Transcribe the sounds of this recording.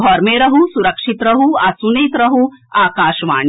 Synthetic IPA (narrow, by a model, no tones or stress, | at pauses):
ɔːɾmeːɾɐɦusuɾɐkʂit̪ɾɐɦuasuneːt̪ɾɐɦuaːkaːʃʋa̰ːɳ